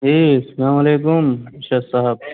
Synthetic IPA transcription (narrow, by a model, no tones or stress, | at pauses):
ɦiːsɐlaːmɐleːkʊmɪʃɐsaɦɐb̚